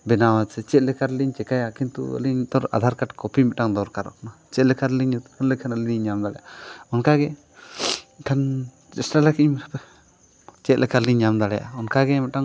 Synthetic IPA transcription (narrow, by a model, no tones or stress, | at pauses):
bɛnawat͡ʃɛt͡ʃɛt̪̚lɛkaɾliɲt͡ʃɛkajakint̪ṵə̰liɲt̪ɔɾa̰d̪ʱaɾkaʈkɔpimɛʔʈaŋd̪ɔɾkaɾɔ̰knat͡ʃɛt̪̚lɛkʰaɾliɲut̪kʰanlɛkʰanaliɲamd̪aɽɛ̰jʔaɔnkaɡɛ | kʰan | t͡ʃɛsʈalakiɲmp | t͡ʃɛt̪lʔɛkʰaɾliɲɲamd̪alɛja̰ɔnkaɡɛmɛʈaŋ